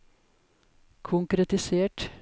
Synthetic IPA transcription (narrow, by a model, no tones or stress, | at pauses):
kʰʊŋkɾɛt̪ɪseːʈ